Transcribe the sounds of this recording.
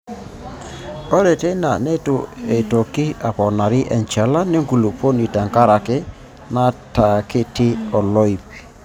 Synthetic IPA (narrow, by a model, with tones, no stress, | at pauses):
ɔ˦ɾe˨te˦na̰˨ne˦to˨e˨to˨ki˦a˨pɔ˨na˨ɾi˦ʔɛ̰˨nt͡ʃa˨la˦ne˦ŋɡu˨lu˨po˦ni˨ta˨ŋka˦ɾa˨kɪ˦ | na˦ta˨kɪ˦tɪ˦ɔ˨lɔ˦i˨pi̥˨